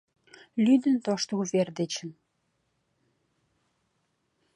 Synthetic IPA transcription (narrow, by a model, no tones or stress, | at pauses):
lyd̪ə̆nt̪oʃt̪uβerd̪et͡ɕə̆n